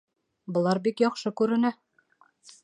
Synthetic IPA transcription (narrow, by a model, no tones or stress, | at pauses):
bɤ̆lˠɑɾbikjɒqʃɤkʉɾɘ̆næ